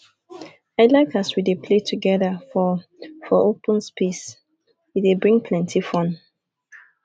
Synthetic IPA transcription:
aɪlaɪkaswidepʰletʰuɡɛðəfɔ | fɔʔopə̃nspis | widebɹĩŋpʰlɛ̃ntʰifɔ̃n

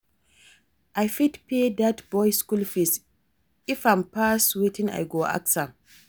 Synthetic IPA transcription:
ʔajfitpedatbɔjskulfis | ifampaswitĩna̰jɡoʔa̰ksa

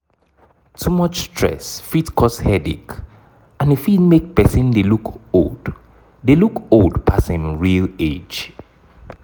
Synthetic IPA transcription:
tʰumɔt͡ʃstʰɹ̥ɛ̰sfitkʰɔshɛdḭk | ãnifidmek̚pɛsĩndelukold̥ | delukoldpʰasãnɹilḛd͡ʒ

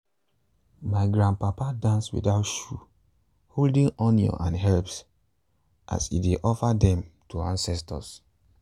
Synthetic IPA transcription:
maɪɡɹãn̚papadãnswḭdaʊtʃu | holdĩŋɔnjɔ̰̃ʔãnɦɛlps | ʔa̰sḭdeʔɔfadɛ̃mtʰuãnsɛstɔ̰s

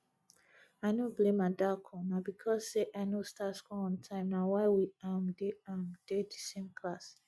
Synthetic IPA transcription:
aɪnoblẽmadakʰɔ̃nabikʰɔsːeʔaɪnostatskɔɔ̃ntʰãɪ̃mnawaɪwiãmdeãmd̥edisẽmkʰlas

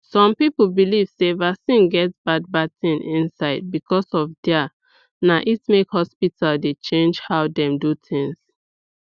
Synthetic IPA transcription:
sɔ̃mpipl̩biliv̥sevasĩnɡɛtbad̚bad̚tĩnĩnsaɪd̚bikɔsɔfdɛ | naʔitmekhɔspitʰaldet͡ʃẽnd͡ʒhaʊdɛ̃mdutʰĩŋs

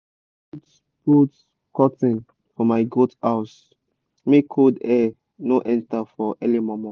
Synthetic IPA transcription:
t | but | kɔtĩn | fɔmaɪɡotaʊs | mekʰodɛ | noʔɛ̃ntafɔʔɛlimɔmɔ̃

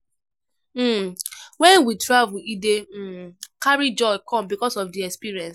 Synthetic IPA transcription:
wɛ̃nwitɹavuidekaɹid͡ʒɔɪkɔ̃mbikɔsɔfdiɛkspiɹiɛ̃ns

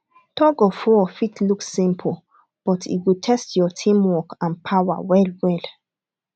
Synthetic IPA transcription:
tɔɡɔfɔfitʰluksĩmpʰl | b̥ɔtḭwitʰɛstʰjɔtʰĩmwɔkãnpʰawa̰wɛlwɛl

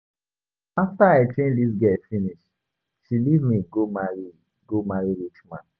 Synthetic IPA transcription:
aftaaɪtɹẽnlisɡɛfiniʃ | ʃilivmiɡomaɹi | ɡomaɹiɹit͡ʃmã̰n

